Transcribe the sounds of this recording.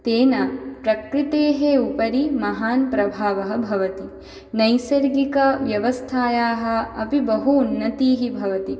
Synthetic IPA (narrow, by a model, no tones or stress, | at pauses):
t̪eːnɐpɾɐkɾit̪eːɦeupɐɾimɐɦaːnpɾɐbʱaːʋɐɦɐ̆bʱɐʋɐt̪i | nɐjsɐɾɡikɐʋjɐʋɐst̪ʰaːjaːɦɐ̆ɐpibɐɦuːnːɐt̪iːɦibʱɐʋɐt̪i